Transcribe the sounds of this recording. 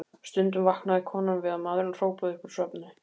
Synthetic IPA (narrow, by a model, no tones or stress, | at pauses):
st̪ʏnt̪ʏmvahknaðɪkʰɔːnamvɪðamaðɾɪnɔr̥oːwpɔðɪhpɔɾ̥sœpnɪ